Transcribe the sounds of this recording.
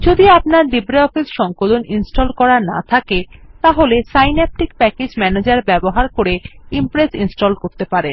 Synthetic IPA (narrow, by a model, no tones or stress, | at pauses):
d͡ʑod̪iapnaɾd̪ibɾeɔfisʃɔŋkoloninsʈolkɔɾana̰t̪ʰaket̪aɦolesajnɛp̚ʈikpɛked͡ʑmɛned͡ʑaɾbɛboɦaɾkoɾeimpɾesinsʈolkoɾt̪epaɾen